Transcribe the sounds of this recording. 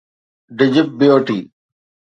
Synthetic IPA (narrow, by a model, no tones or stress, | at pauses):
ɖɪd͡ʑɪp̚bɪjoːʈiː